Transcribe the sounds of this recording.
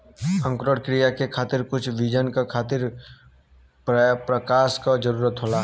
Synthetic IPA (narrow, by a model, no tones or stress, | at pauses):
ə̃ŋkɾəɽkɾijakekʰaːt̪ɪɾkʊt͡ʃʰʋid͡ʒənkakʰaːt̪ɪɾ | ppɾəkaːʃkad͡ʒəɾuːɾət̪ɦoːlaː